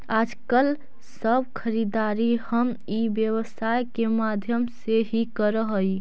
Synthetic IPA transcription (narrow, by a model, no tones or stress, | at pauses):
ad͡ʒkəl | səbkʰəɾid̪aɾihəm | ibjəβəsajkemad̪ʱjəmseɦikəɾəɦəj